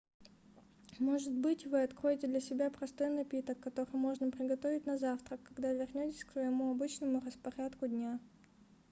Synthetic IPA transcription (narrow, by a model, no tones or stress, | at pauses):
mo̞ʐɨt̪̚bɨtʲvɨɐt̪kɾo̞jɪtʲɪd̪lʲɐsʲɪbʲapɾɐst̪o̞jnɐpʲit̪əkːɐt̪o̞ɾɨjmo̞ʐnəpɾʲɪɡɐt̪o̞vʲɪtʲnɐzaft̪ɾəkːɐɡd̪avʲɪrnʲotʲɪ̥sʲksvəjɪmuɐbɨt͡ɕnəmʊrəspɐɾʲat̪kʊd̪ʲnʲa